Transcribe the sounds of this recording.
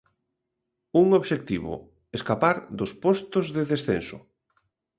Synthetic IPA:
uŋoβʃek̚t̪iβʊ̰ | eskapaɾd̪ʊspɔst̪ʊzðeðesθensʊ̰

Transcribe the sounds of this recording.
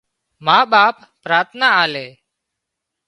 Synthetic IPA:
maːɓaːpːɾaːt̪ʰnaːaːleː

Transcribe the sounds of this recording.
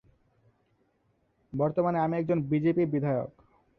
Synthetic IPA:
bɔɾt̪omaneamiɛk̚d͡ʑonbid͡ʑepiɾbid̪ʱaeo̰k

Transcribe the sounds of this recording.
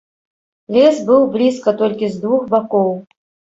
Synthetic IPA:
lʲɛsbɨwblʲiskɐt̪ɔlʲkʲizd̪vuxbakɔw

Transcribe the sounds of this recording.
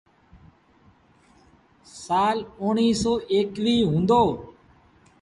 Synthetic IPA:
saːlʊːɳiːsoːʔeːkʋiːɦũːnd̪oː

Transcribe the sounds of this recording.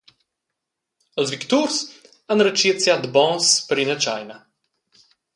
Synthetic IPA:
əzvikt̪uɾs | anɾət͡ʃiət̪sʲjad̪bɔ̃spɾinət͡ʃajna

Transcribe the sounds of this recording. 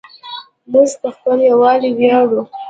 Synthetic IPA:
mʊzt̪əxpəljawɑliwjɑɽu

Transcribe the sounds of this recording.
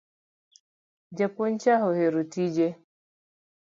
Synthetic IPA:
d͡ʒapɔɲt͡ʃaɦɔhɛɾutid͡ʒɛ

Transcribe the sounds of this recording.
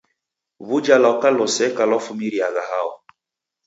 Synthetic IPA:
βud͡ʒalaɔkalɔsɛkalɔfumiɾiaɣahaɔ

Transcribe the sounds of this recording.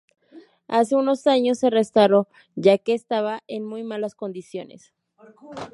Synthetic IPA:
ase̞uno̞saɲo̞sːe̞rest̪awɾo̞ | ʝake̞ːst̪aβaʔenmujmalasko̞nd̪isjo̞ne̞̰s

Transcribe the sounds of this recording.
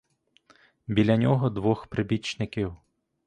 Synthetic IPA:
bʲilʲɐnʲɔɦɔd̪ʋɔxpɾɪbʲit͡ʃnɪkiw

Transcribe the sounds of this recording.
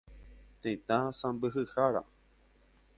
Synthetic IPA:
t̪ẽĩt̪ãsãbɨɦɨhaɾa̰

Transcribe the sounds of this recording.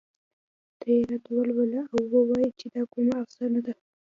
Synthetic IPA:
d̪̥aeɾat̪walwalaawwowɑjit͡ʃed̪ɑkumaafsanad̪a

